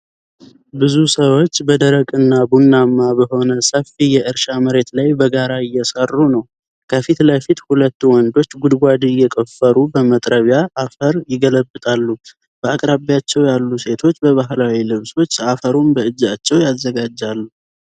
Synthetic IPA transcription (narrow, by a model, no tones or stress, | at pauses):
bɨzusəwo̞t͡ʃːbəd̪əɾəkʼɨnːabunːamːabəɦo̞nəsəfijɛʔɨɾʃaməɾe̞t̪lajbəɡaɾaɪjːɛsərːunəw | kʰəfit̪ləfit̪hulət̪ːuwɔnd̪o̞t͡ʃːɡud̪ɡʷad̪ijɛkʼəfːəɾubəmət̪ʼɾəβjaʔafəɾjɪɡələbɨt̪ʼalːu | b̥əakʼɾaβjat͡ʃːɛwjalːuse̞t̪ʰo̞t͡ʃːbəβaɦlawilɨβso̞t͡ʃːafəɾumbəɨd͡ʒːat͡ʃːɛwjazːəɡad͡ʒːalːu